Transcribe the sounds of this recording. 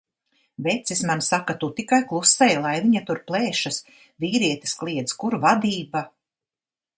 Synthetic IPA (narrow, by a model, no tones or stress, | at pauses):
vet̪sismansakat̪ut̪ikajklˠusːɛjlˠajviɲat̪uɾplˠɛːʃas | viːɾiɛt̪i̥sklˠiɛt̪skuɾvad̪iːba